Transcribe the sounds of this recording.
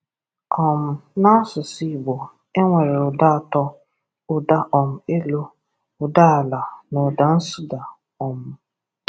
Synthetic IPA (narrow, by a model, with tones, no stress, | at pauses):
ɔ˨m̩˨na˦sʊ˨si˦˨bo˨ | e˦ŋʷe˨ɾɪ˨ɾʊ˨da˦a˨tɔ˦ | ʊ˨da˦ʔɔ˨m̩˨e˦lo˦ | ʊ˨da˦a˨la˨nʊ˨da˨n̩˦sʊ˦da˨ | ɔ˨mʊ˨